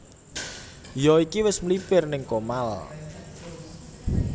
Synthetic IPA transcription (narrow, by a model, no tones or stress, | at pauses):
jɔikiwɪsmlipɪrnɪŋkomal